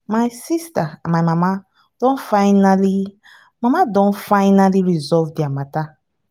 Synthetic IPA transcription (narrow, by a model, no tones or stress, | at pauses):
majsistaamajmãma | d̥õnfaɪnali | mãmadõnfaɪnaliɹizɔvdiamata